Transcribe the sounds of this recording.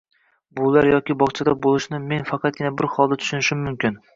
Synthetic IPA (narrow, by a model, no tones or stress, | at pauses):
bʊlˠaɾjɒkʲɪbɒχt͡ʃʰad̪abolˠɪʃnɪme̞nfɑqʰɑt̪̚ɡʲɪnabɪɾχɒlˠd̪at̪ʰʊ̥ʃʊnɪʃɪmːʊmkʲɪn